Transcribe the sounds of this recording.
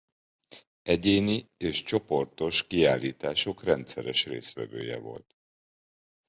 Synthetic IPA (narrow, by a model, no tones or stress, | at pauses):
ɛɟeːnieːʃt͡ʃo̞po̞rt̪o̞ʃkiaːlːiːt̪aːʃo̞krɛnt̪sɛɾɛʃreːst̪ʋɛvøːjɛ̰vo̞̰lt̪